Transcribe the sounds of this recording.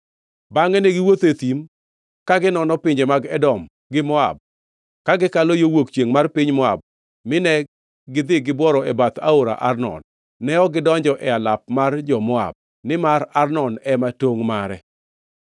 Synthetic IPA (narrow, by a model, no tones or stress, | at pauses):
baŋɛneɡɪwot̪et̪im | kaɡɪnɔnɔpɪɲd͡ʒemaɡɛdɔm | ɡɪmɔa̰b̚ | kaɡɪkalojowokt͡ʃjeŋmarpɪɲmɔa̰b̚ | mɪnɛ | ɡɪd̪ɪɡɪbwɔɾɔɛbat̪aoɾa̰ʔarnɔ̰nː | ɛɔɡɪdɔɲd͡ʒɔʔɛalap̚mard͡ʒɔmɔa̰b̚ | nɪmaɾarnɔnɛmatoŋmaɾɛ